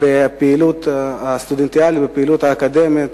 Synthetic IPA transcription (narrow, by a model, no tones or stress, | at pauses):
bɛpiloːt̪st̪ud̪ent̪jaːlibɛpiloːt̪akad̪ɛmi